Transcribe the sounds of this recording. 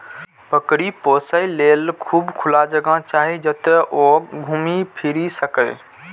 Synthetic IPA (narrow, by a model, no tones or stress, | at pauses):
pəkɽiposəilelkʰuːbkʰʊlad͡ʒəɡãt͡ʃaɦid͡ʒət̪ʔoɡʱumipʰiɾisəkə